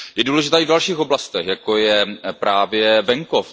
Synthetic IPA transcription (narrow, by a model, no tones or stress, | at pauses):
jɛduːlɛʒɪt̪aːivdalʃiːxoblast̪ɛxjakojɛpɾaːvjɛvɛŋkof